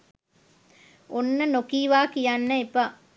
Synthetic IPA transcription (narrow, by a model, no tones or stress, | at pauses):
onːɐnokiːʋaːkijanːɐepa